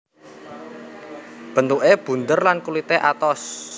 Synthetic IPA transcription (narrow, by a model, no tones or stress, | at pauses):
b̥ə̤nt̪uʔeb̥ṳnd̪ərlankulit̪eʔat̪ɔs